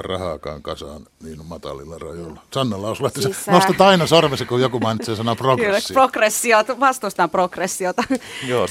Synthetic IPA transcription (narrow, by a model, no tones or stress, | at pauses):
rɑhɑːkɑ̰ːŋkɑsɑ̰ːn | niːnmɑt̪ɑ̰lilːɑrɑjolːɑsɑnːɑlːɑosulet̪ːɑsenost̪ɑt̪ɑinɑsormesekujjokumɑinit̪seːsɑnoprokrsːiprokresːiot̪ʋɑst̪ost̪ɑmprokresːiot̪ɑjoː